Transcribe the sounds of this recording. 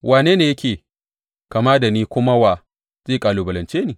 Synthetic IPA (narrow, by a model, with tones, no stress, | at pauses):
wʔaː˨neː˦neː˨jɐ˦kʲeː˨ | ka˨ma˦da˨niː˦kʷʊ˦ma˦wa˨ | z̥eː˦˨kʼaː˨luː˨bɐ˨lɐ˨nt͡ʃeː˦niː˨